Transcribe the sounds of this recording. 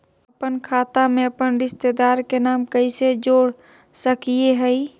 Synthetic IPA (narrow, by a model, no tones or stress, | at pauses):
əpənkʰaːt̪amẽəpənɾɪst̪ed̪aːɾkenaːmkəɪsed͡ʒoːɽ | səkieɦəɪ